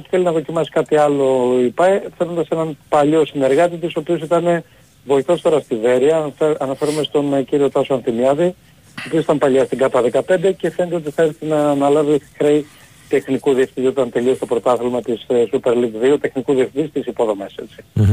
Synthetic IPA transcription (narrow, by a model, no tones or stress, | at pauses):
i̥θeliznɐðo̞cimɐsi̥kɐt̪iɐlo̞ipɐθenod̪ɐse̞nɐnpɐʎo̞sine̞ɾɣɐt̪it̪iso̞pio̞s̬it̪ɐne̞ | vo̞iθo̞st̪o̞ɾɐst̪ive̞ɾiɐɐnɐfe̞ɾumest̪o̞nciɾio̞t̪ɐsoɐnθimiɐði | opioit̪ɐmpɐʎɐst̪iɡɐt̪ɐðekɐpe̞nd̪e̞ce̞fenet̪eo̞t̪iθɐeɾθinɐːnɐlɐvixɾej | t̪e̞xnikuðiefθiiot̪ɐnt̪e̞lio̞st̪o̞pɾo̞t̪ɐθilmɐt̪issupe̞ɾliɡðiot̪e̞xnikuðiefθit̪ist̪isipo̞ðo̞mese̞̰t͡si̥